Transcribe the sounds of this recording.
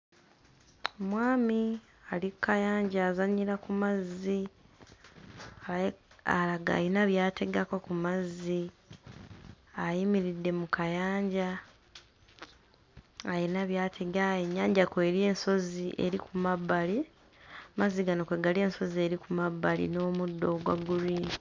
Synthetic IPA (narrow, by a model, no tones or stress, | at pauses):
omwaːmi | alikːajaːɲɟaːzaɲiɾakumazːi | alaɡa̰ːjinaβjaːte̞ɡakokumazːi | ajimiɾidːe̞mukajaːɲɟa | jinaβjaːtʰe̞ɡajeɲːaːɲɟakweːɾie̞ːnso̞ziʔe̞̰ɾikumabːali | mazːiɡanokwe̞ɡalie̞ːnso̞zie̞ɾikumaβːalḭno̞ːmudːo̞ɡwa̰ɡuɾiːni